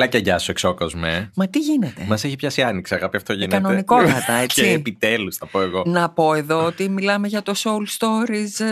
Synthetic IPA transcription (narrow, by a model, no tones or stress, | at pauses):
lɐcɐʝɐsueksokozmemɐt̪iʝinet̪e̞mɐseçipçɐsiɐniksiɐɣɐpiɐft̪o̞ʝinkɐnoeniko̞t̪ɐt̪ɐet͡siːpit̪elusθɐpoeɣo̞nɐpo̞e̞ðo̞ot̪imilɐme̞ʝɐt̪o̞sowlst̪o̞ɾiz